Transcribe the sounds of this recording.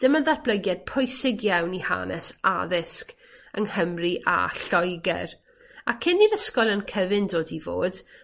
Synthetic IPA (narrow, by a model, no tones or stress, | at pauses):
d̥əməðatb̥ləɡjad̥̚pʰʊjsɪɡjawniha̰ːnɛ̰sa̰ðɪsk | əŋhəmriʔa̰ɬɔjɡɛ̰r | akʰɪniɾəskɔlˠənkʰəvɪndoːdivo̰ːd̥